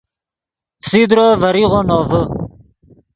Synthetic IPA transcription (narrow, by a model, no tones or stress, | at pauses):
fsid̪ɾɔːvɐɾiʁonɔːvə